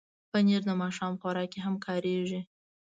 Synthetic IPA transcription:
pəniɾd̪əmɑʃɑmpoɾɑkeɦamkʰɑɾeʒi

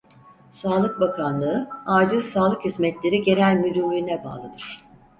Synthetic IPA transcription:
saːlˠɯk̚bakʰanlˠɯɯaːd͡ʒɯsaːlˠɯkhizmɛt̪lʲe̞ɾiɟe̞ɾælʲmyd̪ylʲynʲɛba̰ːlˠɯd̪ɯɾ̥

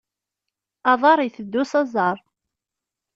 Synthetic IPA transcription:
ɑðˤɑɾˤiθəd̪ːusɑzˤɑɾˤ

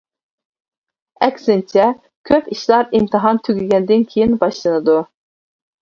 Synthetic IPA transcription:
ɛkʲsɪnt͡ʃʰɛ | kʲʰøpiʃlˠɑɾimt̪ʰɨɦɑnt̪ʰyɡʲyɡʲɛnd̪ɪnkʲʰejinbɑʃlˠɨnɨd̪u

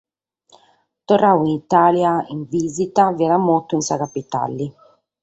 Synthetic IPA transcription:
t̪orːawinit̪aːljaiɱviːzit̪aviɛɾamot̪ːʊinsakapit̪a̰lːi

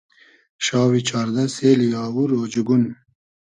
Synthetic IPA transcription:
ʃɑːwit͡ʃʰɑːɾd̪aseːlijɑːwuɾoːd͡ʒuɡun

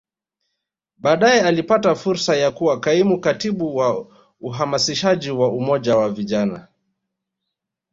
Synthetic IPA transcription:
ɓaːɗajɛalipatafuɾsajakuwakaimukatiɓuwa | uɦamasiʃaʄiwaumɔʄawaviʄana̰

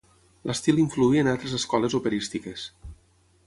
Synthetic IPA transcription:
lʔəst̪ilˠiɱfluiənalˠt̪ɾezəskɔlezupeɾist̪ikes

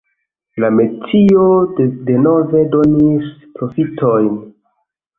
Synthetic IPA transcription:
lametiode̞no̞ve̞do̞nispɾo̞fitʰojn

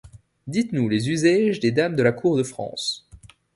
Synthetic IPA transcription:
d̪it̪nulezyzaʒd̪ed̪amd̪əlakuʁd̪əfχɑ̰̃ːs

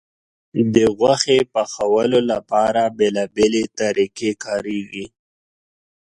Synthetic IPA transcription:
d̪əɣwaxepaxawəlolapɑɾabelɑbelet̪aɾikekɑɾeɡi

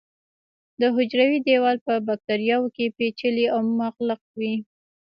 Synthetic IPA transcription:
d̪əɦʊd͡ʒɾawid̪ewɑlpəbak̚t̪aɾjɑwokepet͡ʃəliawmumaqləq̚wi

